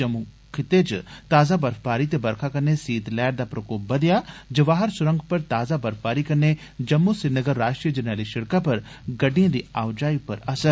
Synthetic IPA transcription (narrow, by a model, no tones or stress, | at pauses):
d͡ʒɐmu | kʰɪt̪et͡ʃt̪aːzabɐɾfpaːɾit̪ebɐɾkʰakɐɾnesiːt̪lɛːɾd̪apɾɐkoːp̚bɐd̪jad͡ʒɐʋaːɦəɾsʊɾə̃ŋɡpɐɾt̪aːzabɐɾfpaːɾikɐɾne | d͡ʒɐmːusɪɾnəɡəɾːaːʃʈɾijəd͡ʒɐnaːliʃɪɽkapɐɾ | ɡɐɖiãd̪iːaːwd͡ʒaːipɐɾɐsəɾ